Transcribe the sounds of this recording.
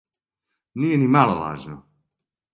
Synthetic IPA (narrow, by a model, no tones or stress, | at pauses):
niːjɛnimalola̰ːʒnɔ